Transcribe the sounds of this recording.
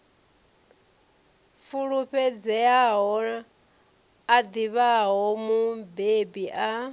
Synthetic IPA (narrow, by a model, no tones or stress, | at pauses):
fuɺuɸɛd͡zɛaɦɔ | ad̪iβaɦɔmubebiʔa